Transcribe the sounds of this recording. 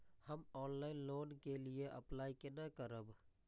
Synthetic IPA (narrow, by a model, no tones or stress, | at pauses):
həmɔːnlaːɪnloːnkelieʔə̰plaːikenakəɾəb